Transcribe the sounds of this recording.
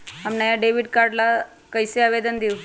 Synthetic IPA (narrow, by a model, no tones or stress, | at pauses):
amnajaɖeʋiɖkaɾɖla | kəjseaʋed̪ənd̪iu